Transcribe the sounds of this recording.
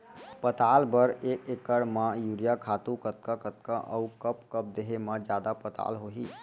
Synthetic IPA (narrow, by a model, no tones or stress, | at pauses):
pət̪albəɾekekːəɽmãjuɾijakʰat̪ukət̪̚kəkət̪̚kə̃ʔə̰ukəp̚kəp̚d̪eɦeməd͡ʒjad̪apət̪a̰lɦoɦi